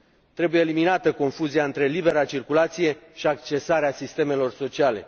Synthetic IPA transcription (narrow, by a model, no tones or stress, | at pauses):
t̪ɾe̞bujeːliminat̪əko̞nfuziaɨnt̪ɾe̞libe̞ɾat͡ʃirkulat̪sije̞ʃiakt͡ʃe̞saɾeasist̪e̞me̞lo̞rso̞t͡ʃiale̞̰